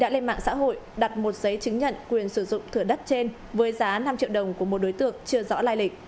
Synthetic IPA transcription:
ɗa̰ː˧˥le˧nma̰ː˧˨ŋsa̰ː˧˥ɦo̰˧˨jɗa˨˩t̚mo˨˩t̚zə˨˦jt͡ɕɨ˨˦ŋɲə̰˧˨nkwi˨˩ənsɨ˧˩zʊ̰˧˨ŋ͡mt̪ʰɨ˧˩əɗə˦˥t̚t͡ɕe˧n | vəː˨˦jzaː˨˦na˧mt͡ɕḭ˧˨əwɗə˨˩wŋ͡mku˧˩əmo˨˩t̚ɗo˨˦jt̪ɨ̰˧˨əŋt͡ɕɨ˧əzɔ̰˧˥laː˧jlï˨˩k̟̚

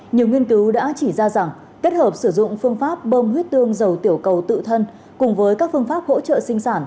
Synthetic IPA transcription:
ɲi˨˩əwŋi˧ənkɨ˨˦wɗa̰ː˧˥t͡ɕi˧˩zaː˧za˨˩ŋ | ke˦˥t̚həː˨˩p̚sɨ˧˩zʊ̰˧˨ŋ͡mfɨ˧əŋfaː˦˥p̚ɓəː˧mhwi˦˥ət̚t̪ɨ˧əŋzə˨˩wt̪i˧˩əwkə˨˩wt̪ɨ̰˧˨t̪ʰə˧n | kʊ˨˩ŋ͡mvəː˨˦jkaː˦˥k̚fɨ˧əŋfaː˦˥p̚ho̰˧˥t͡ɕə̰ː˧˨sï˧ŋ̟saː˧˩n

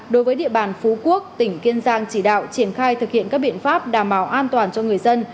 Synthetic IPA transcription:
ɗo˨˦jvəː˨˦jɗḭ˧əɓaː˨˩nfu˨˦ku˦˥ək̚t̪ï˧˩ŋ̟ki˧ənzaː˧ŋt͡ɕi˧˩ɗa̰ː˧˨wt͡ɕi˧˩ənxaː˧jt̪ʰɨ˨˩k̚hḭ˧˨ənkaː˦˥k̚ɓḭ˧˨ənfaː˦˥p̚ɗaː˨˩mɓaː˨˦wʔaː˧nt̪waː˨˩nt͡ɕɔ˧ŋɨ˨˩əjzə˧n

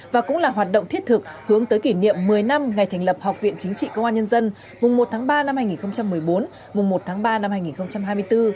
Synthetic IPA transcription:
vaː˨˩kʊ̰˧˥laː˨˩ɦwaː˨˩t̚ɗo̰˧˨ŋ͡mt̪ʰi˦˥t̚t̪ʰɨ˨˩k̚hɨ˨˦əŋt̪əː˨˦jki˧˩nḭ˧˨əmːɨ˨˩əjna˧mŋa˨˩jt̪ʰŋ̟lə˨˩p̚ha˨˩k͡p̚vḭ˧˨ənt͡ɕï˨˦ŋ̟t͡ɕḭ˧˨kəː˧ŋ͡mʔaː˧nɲə˧nzə˧n | mʊ˨˩ŋ͡mmo˨˩t̚t̪ʰaː˨˦ŋɓaː˧na˧mhaː˧jŋi˨˩nxə˧wŋ͡mt͡ɕa˧mːɨ˨˩əjɓo˨˦n | mʊ˨˩ŋ͡mmo˨˩t̚t̪ʰaː˨˦ŋɓaː˧na˧mhaː˧jŋi˨˩nxə˧wŋ͡mt͡ɕa˧mɦaː˧jmɨ˧jt̪ɨ˧

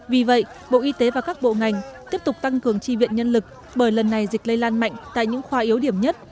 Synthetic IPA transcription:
vi˨˩və̰˧˨j | ɓo̰˧˨ʔi˧t̪e˨˦vaː˨˩kaː˦˥k̚ɓo̰˧˨ŋa˨˩jŋ̟t̪i˦˥əp̚t̪ʊ˨˩k͡p̚t̪a˧ŋkɨ˨˩əŋt͡ɕi˧vḭ˧˨ənɲə˧nlɨ˨˩k̚ | ɓəː˧˩jlə˨˩nːa˨˩jzï˨˩k̟̚lə˧jlaː˧nma̰˧˨jŋ̟t̪a̰ː˧˨jɲɨ̰˧˥ŋxwaː˨˧ʔi˨˦əwɗi˧˩əmɲə˦˥t̚

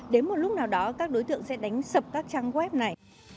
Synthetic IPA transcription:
ɗe˨˦nmo˨˩t̚lʊ˦˥k͡p̚naː˨˩wɗɔ˨˦kaː˦˥k̚ɗo˨˦jt̪ɨ̰˧˨əŋsɛ̰˧˥ɗa˨˦jŋ̟sə˨˩p̚kaː˦˥k̚t͡ɕaː˧ŋɣwɛ˦˥p̚na˨˩j

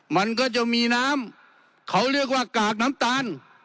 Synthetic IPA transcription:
ma˧˥nkɔː˧˥˩t͡ɕa˧˩miː˧naː˦˥˨m | kʰa˨˦˥wɾi˥˩ək̚waː˧˩kaː˨˩k̚na˦˥mt̪aː˧˥n

